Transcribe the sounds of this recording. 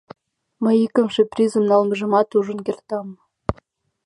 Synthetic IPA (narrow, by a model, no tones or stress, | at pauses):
mə̆jikə̆mʃeprʲizɤ̆mnɑlˠmɤ̆ʐɤ̆mɑt̪uʐɤ̆nkʲerʲt̪ɑmː